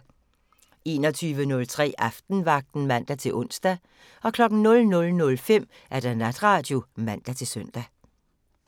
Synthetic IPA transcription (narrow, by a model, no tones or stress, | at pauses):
e̝ːnɒ̽t͡sʰyːʋənɔ̽lt͡sʰʁɛ̰ːʔɑfd̥n̩ʋɑ̈ɡ̥̚d̥n̩mæn̰d̥æt͡sʰe̝lʔɔ̽n̰sd̥æ | ɒ̽kʰlɒ̽ɡ̥n̩nɔ̽lnɔ̽lnɔ̽lfem̰ | ʔæɐd̥ænæd̥ʁɑ̈ːd̥jo̝mæn̰d̥æt͡sʰe̝lsœn̰d̥æ